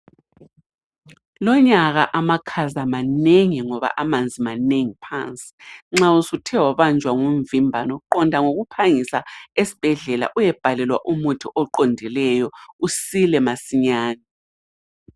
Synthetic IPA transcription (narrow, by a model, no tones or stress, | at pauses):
lɔɲaɣaʔamakʰazamaneŋiŋɔβa̰ʔamand͡zʱimaneŋipʰa̰nt͡sʼi̥ŋ͡ǁausutʰɛwɔβand͡ʒʱwaŋuɱvimbʱanɔǃɔndʱaŋoɣupʰaŋisaesi̥b̥ʱɛɮɛla̰ʔujɛb̥ʱalɛlwa̰ʔumutʰuʔɔǃondʱilɛjɔusilɛmasiɲaːni